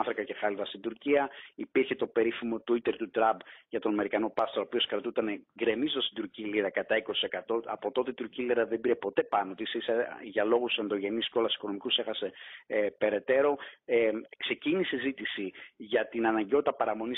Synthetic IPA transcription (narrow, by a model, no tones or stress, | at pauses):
θɾokɐce̞xɐlivɐst̪ind̪uɾciɐipiɾçe̞t̪o̞pe̞ɾifimo̞t̪uit̪e̞ɾt̪ut̪ɾɐbʝɐt̪o̞nɐme̞ɾikɐno̞pɐst̪oɾopio̞skɾɐt̪ut̪ɐneɡɾe̞mizt̪ost̪id̪uɾciliɾɐkɐt̪ɐiko̞si̥se̞kɐt̪o̞ɐpo̞t̪o̞t̪et̪uɾciliɾɐðembiɾe̞po̞t̪e̞pɐno̞t̪isiseʝɐlo̞ɣusend̪o̞ʝe̞nisceo̞lɐsi̥ko̞no̞mikuse̞xɐse̞pe̞ɾe̞t̪e̞ɾo̞ | kse̞cinisezit̪isiʝɐt̪inɐnɐɲɟeo̞t̪i̥t̪ɐpɐɾɐmo̞ni